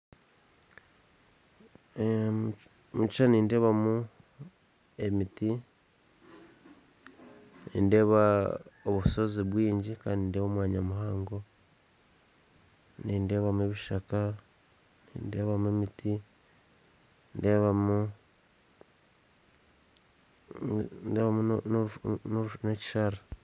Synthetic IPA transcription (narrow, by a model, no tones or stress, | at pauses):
mut͡ʃt͡ʃaniːnde̞ːβamu | e̞miti | nḭːnde̞ːβaoβuso̞ziβwiːɲɟikaːndindeːβomwaːɲamuhaːŋɡo̞ | niːnde̞ːβamue̞βiʃaka | nḭːnde̞ːβamuemiti | ndeːβamu | ndeːβamu | noneci̥ʃaɾa